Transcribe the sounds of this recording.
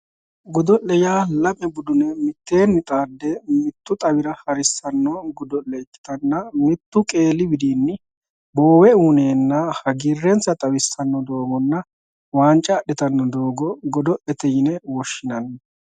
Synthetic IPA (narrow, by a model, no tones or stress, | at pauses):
ɡʊd̪ɔʔːɛjaːlɐpʼɛbʊd̪ʊnɛmɪt̪ːe̞ːnːɪt̪ʼaːd̪ːɛmɪt̪ːʊt̪ʼɐwɪɾɐhɐɾɪsːɐnːɔɡʊd̪ɔʔɛɪkːɪ̥t̪ɐnːɐmɪt̪ːʊkʼeːlɪbɪd̪iːnːɪ | boːwɛuːne̞ːnːɐhɐɡirːɛnt͡sːɐt̪ʼɐwɪsːɐnːɔd̪o̞ːɡɔnːɐ | waːnt͡ʃʼɐːɗːɛt̪ɐnːɔd̪oːɡɔɡɔd̪ɔʔɛt̪ɛjɪnɛwɔʃːɪnɐnːɐ